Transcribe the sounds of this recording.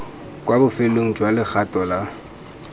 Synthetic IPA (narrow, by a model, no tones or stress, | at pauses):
kʼwabʊfeloŋ̩d͡ʒwalɪk͡xʰatʼɔla